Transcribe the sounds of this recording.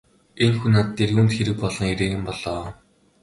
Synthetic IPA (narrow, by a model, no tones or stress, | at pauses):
enxunat̪ːeːrɵnt̪xeɾɘ̆k̚pɔɮɞ̆ŋeɾeːɣɘ̆mpɔɮɔː